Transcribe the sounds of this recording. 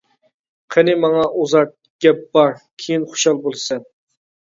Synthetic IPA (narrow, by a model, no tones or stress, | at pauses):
qʰənɪmɑŋɑʔuzɑɾt̪̚ | ɡʲɛp̚b̥ɑɾkʲʰejinχo̥ʃɑlˠbolˠsɛn